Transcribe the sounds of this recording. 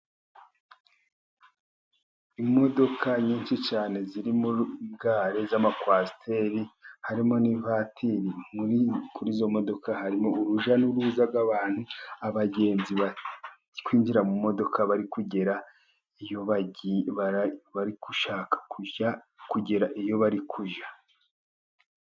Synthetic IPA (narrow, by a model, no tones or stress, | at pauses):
imo̞do̞kʰaɲiːnʃit͡ʃaːne̞ziɾimoɡaːɾezamakwastʰe̞ɾihaɾimo̞niːvaːtʰiɾimuikuɾiːzo̞mo̞do̞kahaɾimo̞uɾuʒanuɾuzaɾɡwaβaːn̥huaβaɟe̞ːnziβa | kwiːnd͡ʒiɾamumo̞do̞kʰaβaɾikuɟe̞ɾa | ijo̞βaβaβaɾikuʃaːkḁkuʒa | kuɟe̞ɾaʔijo̞βaɾikʰuʒa